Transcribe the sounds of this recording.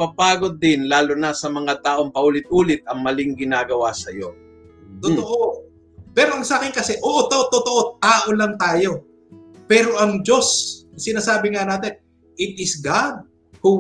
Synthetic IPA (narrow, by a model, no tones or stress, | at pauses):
pɐpaːɡod̪̚ːɪnlaːlonɐsɐmɐŋat̪aːʔoŋpɐʔuːlɪt̪̚ʔuːlɪt̪̚ɐŋmɐlɪŋɡɪnaːɡɐwasɐjo̞ | t̪ot̪oʔo | pɛɾoʔɐŋsakɪŋkɐsɛʔoːʔot̪oʔot̪ot̪o̞ʔo̞t̪aːʔo̞lɐŋt̪aːjo̞ | pɛːɾo̞ʔɐŋd͡ʒo̞ssɪnaːsaːbɪŋɐnaːt̪ɛn | ʔɪt̪̚ɪsɡad̪̚ | hu